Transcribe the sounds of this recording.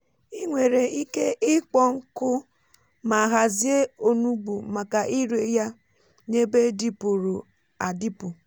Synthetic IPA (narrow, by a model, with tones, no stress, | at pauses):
i˦ŋʷe˨ɾe˨i˦ke˦ʔɪ˦k͡pɔ˦ŋ̩˦kʊ˦ | ma˨ɦa˨zi˦e˦o˦nu˦bu˨ma˨ka˨ʔi˦ɾe˨˦ja˦ | ne˦be˦di˦pu˨ɾo˨ | a˨di˦pʊ˨